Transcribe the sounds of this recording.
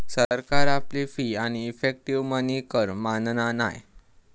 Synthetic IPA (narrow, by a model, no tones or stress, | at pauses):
səɾkaɾaplifiːañiːfek̚ʈiʋmənikəɾmannana̰j